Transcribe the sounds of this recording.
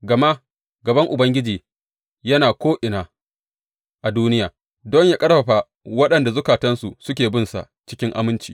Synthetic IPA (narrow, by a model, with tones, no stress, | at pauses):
ɡɐ˨ma˦ | ɡɐ˨bɐ˦ŋʔʊ˨bɐ˦ŋɡʲɪ˦d͡ʒiː˨ | jɐ˦naː˨kʷoː˦ʔɪ˨naː˨ | ʔa˨duː˦nɪ˦jaː˨ | dɔ˦ɲjaː˦kʼɐ˦ɽɸɐ˨ɸa˨ | wɐ˦ɗɐ˨nda˨zʊ˦kaː˨tɐ˦nsu˨sʊ˦kʲeː˨bɪ˦nsa̰˨ʔt͡ʃɪ̥˦kʲɪ˦ŋʔa̰˨mɪ˦nt͡ʃiː˨